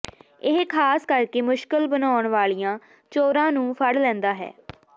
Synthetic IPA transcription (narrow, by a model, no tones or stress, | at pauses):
ɪɦkʰaːskəɾkeːmʊʃkəlbənaːɳʋaːlijãː | t͡ʃoːɾãːnũːpʰəɽlɛ̃ːnd̪aːɦɛ̰ː